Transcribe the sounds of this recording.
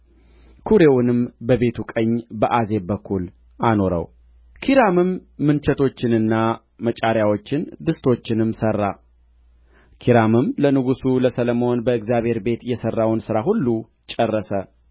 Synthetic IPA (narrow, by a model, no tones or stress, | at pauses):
kʰuɾe̞wnɨmbəβe̞t̪ʰukʼəɲːbəʔaze̞bəkʰːul | ʔano̞ɾə̰w | kʰiɾamɨmːɨnt͡ʃɛt̪ʰo̞t͡ʃːɪnɨnːa | mət͡ʃʼaɾjawo̞t͡ʃːɪnd̪ɨst̪ʰo̞t͡ʃːɪnɨmsərːa | kʰiɾamɨmlənɨɡusuləsələmo̞nbəɨɡzjaβhe̞ɾbe̞t̪jɛsərːawnsɨɾaɦulːu | t͡ʃʼɛrːəsə